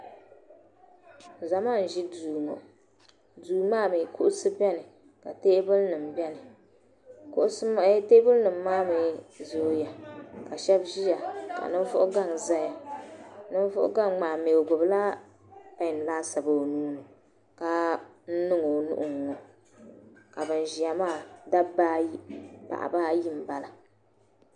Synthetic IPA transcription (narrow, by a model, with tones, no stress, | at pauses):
za˨ma˦n̩˨ʒi˦duː˨ŋɔ̰˨ | duː˨maː˦mi˨kʰʊ˦ʔʊ˦sɨ˦bɛ˦nɨ˨ | ka˨teː˦bʊ˦lnɨ˨m̩˨bɛ˦nɨ˨ | kʊ˦ʔʊ˦sɨ˦m˦te˦bɨ˦lnɨ˨m̩ː˦aː˦mi˨zo˨˦ja˨ka˨ʃɛ˦bʒi˦ja˨ka̰˨nɨ˦ɱ˦vʊ˦ʔʊ˦ɡa˦˨ŋza˦ja˨ | nɨ˦n˦vʊ̰˦ʔʊ̰˦ɡa˦˨ŋŋ͡maː˨me˨o˨ɡʊ˨bla˦ | pa˦˨n˨laː˦sa˨bo˨nuː˦nɨ˨ | ka˦ | n̩˦nɨ˦ŋo˨nṵ˦ʔʊ˨ŋɔ˨ | ka˨bɨ˨n˨ʒi˨ja˨maː˦˨da˦baː˦i˦pa̰˨ʔa̰˨baː˦ji˦m̩˨ba˨la˨